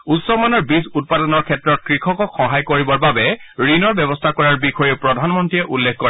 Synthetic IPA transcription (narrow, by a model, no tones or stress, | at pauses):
utsɔmanɔɹbizut̚padɔnɔɹkʰɛtɹɔt̚kɹikʰɔkɔkxɔɦajkoɹibɔɹbabɛɹinɔɹbɛbɔstʰakɔɹaɹbixʰɔjeʊpɹɔdʱanmɔntiɛʔulːekʰkɔɹɛ